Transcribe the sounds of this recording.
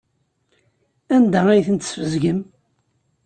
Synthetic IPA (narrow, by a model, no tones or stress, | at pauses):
ænd̪ææjθənt̪sfəzɡəm